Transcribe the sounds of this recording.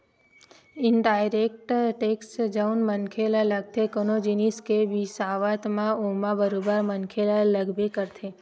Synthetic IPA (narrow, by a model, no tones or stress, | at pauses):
ɪɳɖajɾek̚ʈʈeksʈd͡ʒəunmənkʰelaləɡ̚t̪ʰekonod͡ʒiniskeʋisaʋat̪mãomãbəɾobəɾmənkʰelaləɡbekəɾt̪ʰe